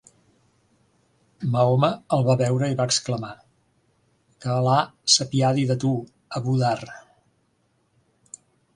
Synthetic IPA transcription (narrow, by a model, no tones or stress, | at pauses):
məoməːlˠβaβɛwɾəiβaːkskləma | kəːlasəpiaðiðət̪u | əβuðar